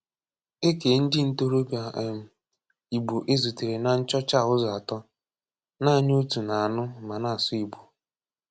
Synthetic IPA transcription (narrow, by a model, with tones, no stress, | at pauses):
e˦ke˨˦n̩˦dɪ˦n̩˦to˦ɾo˦bja˨ʔm̩˨ | i˨ɡ͡bo˨ʔe˦zu˨te˨ɾe˨na˨n̩˦t͡ʃɔ˦t͡ʃa˦˨ʊ˦zɔ˨a˨tɔ˦ | na˦˨ɲo˦tu˨na˨a˨nʊ˦˨ma˨na˦˨a˨sʊ˦i˨ɡ͡bo˨